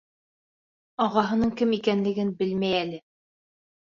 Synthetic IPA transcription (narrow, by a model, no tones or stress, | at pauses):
ɑʁɑɦɤ̆nɤɴkɘmikænlɘ̆ɡɘnbɘlmæjælɘ